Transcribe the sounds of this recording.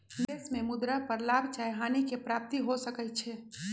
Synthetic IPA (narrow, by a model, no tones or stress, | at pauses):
d̪eːsmẽmʊd̪ɾapəɾlaːbʱt͡ʃaːjɦaːnikepɾaːp̚t̪iɦosəkət͡ʃʰɛ